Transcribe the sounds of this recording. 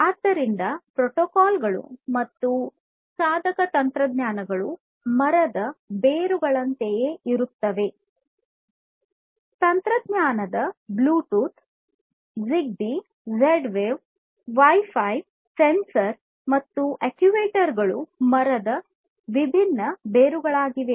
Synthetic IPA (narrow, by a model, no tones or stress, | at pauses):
aːd̪ːɐɾind̪ɐpɾoʈoːkaːlɡɐɭṵmɐt̪ːu | saːd̪ʱɐkɐt̪ɐnt̪ɾɐd̪ɲaːnɐɡɐɭu | mɐɾɐd̪ɐbeːɾuɡɐɭɐnt̪ejeʔiɾut̪ːɐʋe̞ | t̪ɐnt̪ɾɐd̪ɲaːnɐd̪ɐbluːʈuːt̪ | ziɡ̚bi | zeɖʋeʋ | ʋɐjfʰɐj | sensɐɾ | mɐt̪ːuʔekjuʋeːʈɐɾɡɐɭumɐɾɐd̪ɐ | ʋibʱinːɐbeːɾuɡɐɭaːɡiʋe̞